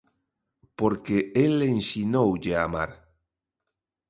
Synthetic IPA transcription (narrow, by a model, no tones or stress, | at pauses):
poɾkeelensinowʎeama̰ɾ